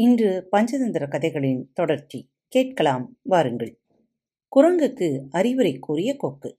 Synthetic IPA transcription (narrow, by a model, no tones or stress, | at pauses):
ɪndrɯpɐɲd͡ʒɐðɐnd̪ɪɾɐkɐðɐɪɣɐɭɪnt̪ɔɽɐɾt͡ʃːi | keːʈ̚kɐɭaːmʋaːɾɯŋɡɐɭ | kʊrɐŋɡɯkːɯɐɾɪʋɯɾɐɪkːuːrɪjɐkoːkːɯ